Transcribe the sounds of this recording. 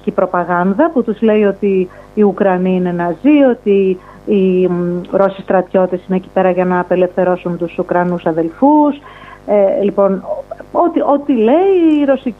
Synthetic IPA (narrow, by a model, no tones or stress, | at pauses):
cipɾo̞pɐɣɐnðɐput̪uzle̞io̞t̪iː | ukɾɐniine̞nɐzio̞t̪iː | ɾo̞sist̪ɾɐt̪ço̞t̪esineːci̥pe̞ɾɐʝɐnɐːpe̞le̞fθe̞ɾo̞sunt̪usukɾɐnusɐðe̞lfuselipo̞no̞t̪iʔo̞t̪ile̞iːɾo̞si